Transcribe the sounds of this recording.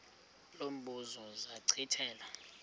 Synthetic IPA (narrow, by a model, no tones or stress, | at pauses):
lom̩ɓuzɔzaǀʰitʰɛːla